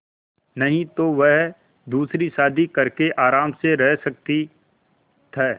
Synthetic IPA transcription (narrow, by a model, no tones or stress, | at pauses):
nɐɦĩt̪oʋɛɦ | d̪uːsɾisaːd̪ʱikɐɾkeʔaːɾaːmseɾɛɦsɐk̚t̪i | t̪ʰɛː